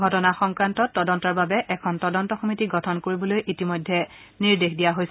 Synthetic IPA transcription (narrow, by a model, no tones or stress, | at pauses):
ɡʱɔtɔnaxɔŋkɹantɔtːɔdɔntɔɹbabɛʔɛkʰɔntɔdɔntɔxomitiɡɔtʰɔnkoɹibɔlojʔitimojdʱːɛ | niɹdexdijaɦojs